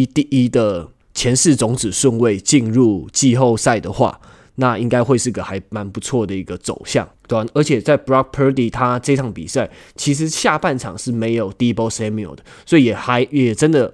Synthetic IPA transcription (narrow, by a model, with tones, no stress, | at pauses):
i˦t̪i˥˨˩ʔi˦d̪ə˨ | t͡ɕʰjɛ˧˥nʂɻ̩˥˩t͡sʊ˧˥ŋt͡sɻ̩˨˩ʂwə˥˧nwe˥˧ɪt͡ɕi˥˧nɻu˥˧t͡ɕi˥˧xo˥˧ʊsa˥˩ɪd̪ə˩xwa̰˥˩ | na˥˨i˦ŋka˥ɪxwe˥˧ɪʂɻ̩˥˩ɡə˩xa˧˥ɪma˨˧˦npu˧˦t͡sʰwɔ˥˩d̪ə˩i˧˦˥ɡə˧t͡so̰˨˩ʊɕjɑ̰˥˩ŋt̪wa˧˩nə˞˧˥t͡ɕʰjɛ˨˩t͡sa˥˩ɪpɹɑ˥k̚pʰə˧˥t̪i˨˩t̪ʰa˦ʈ͡ʂə˥˧˥tʰɑ˨˩ŋpḭ˨˩sa˥˩ɪt͡ɕʰi˧˥ʂ̬ɻ̩˧˥ɕja˥˧pa˥˩nʈ͡ʂʰɑ̰˨˩ŋʂɻ̩˥˩me˧˥ɪjo˨˩ʊt̪i˥po˥se˥mi˨o̰˨d̪̥ə˦˩swɔ˧˥i˨˩jɛ˨˩xa˧˥ɪjjɛ˨˩ʈ͡ʂə˦˥nd̪ə˨